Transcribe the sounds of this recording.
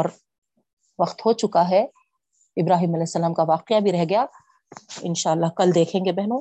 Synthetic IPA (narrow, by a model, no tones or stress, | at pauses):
ɔːɾ | ʋɐqt̪hoːt͡ʃʊkaɦɛ | ɪbɾaːɦiːmɐlɛːɛsːɐlaːmkaʋaːqɪjabʱiɾɛɦɡɐjaː | ɪ̰nʃaːlːaɦkɐld̪eːkʰẽːŋɡebɛɦnõː